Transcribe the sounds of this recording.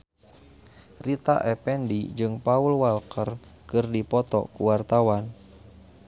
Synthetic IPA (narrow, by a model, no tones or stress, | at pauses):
rit̪a̰ʔɛpɛndid͡ʒɨŋpaulwalkərkɨrdipɔt̪ɔ̰kuwart̪awan